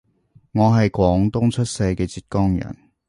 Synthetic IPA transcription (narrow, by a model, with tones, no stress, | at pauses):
ŋɔː˨˧ɦɐ˨jkʷɔː˨˥ŋt̪ʊ˥ŋt͡ʃʰɵ˥t̚se˧jkɛː˧t͡siː˧t̚kɔː˥ŋjɐ̰˨˩n